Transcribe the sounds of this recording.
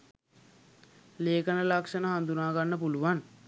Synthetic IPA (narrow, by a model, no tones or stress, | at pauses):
leːkənəlakʂənəɦand̪unaːɡanːəpuluʋan